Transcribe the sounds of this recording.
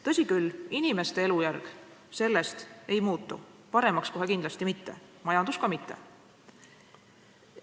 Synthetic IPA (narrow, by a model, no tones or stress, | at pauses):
t̪ɤ̞sʲikylinime̞st̪e̞e̞lujærɡ̥ | se̞lːe̞st̪e̞jmuːt̪ːˑṵpɑɾe̞mɑksko̞ɦe̞kind̪lɑst̪imit̪ːe̞mɑjɑnd̪̥uskɑmit̪ːe̞̰